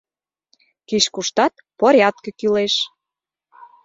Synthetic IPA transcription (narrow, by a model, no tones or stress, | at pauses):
kiʃkuʃt̪ɑt̪̚poɾʲjɑt̪̚kĕkyleʃ